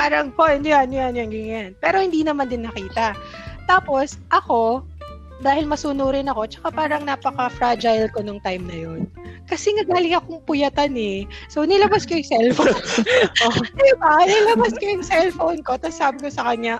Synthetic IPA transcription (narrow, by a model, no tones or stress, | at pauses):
paːɾɐŋponjanjanjanɡɪŋjanpɛːɾo̞hɪnd̪iːnɐmand̪ɪnːɐkiːt̪ɐ | t̪aːpo̞sʔɐko̞ | d̪aːhɪlmɐsunuːɾɪnɐko̞t͡ʃɐ̥kapaːɾɐŋnaːpɐkɐfɾad͡ʒajlko̞nʊŋt̪ajmnɐjo̞n | kɐsɛŋɐɡaːlɪŋɐkoŋpʊjɐt̪anɛsownɪlɐbaskojʊŋsɛlfownoɛbanɐlɐbaskojʊŋsɛlfownko̞t̪ɐsaːbɪkosɐkɐɲa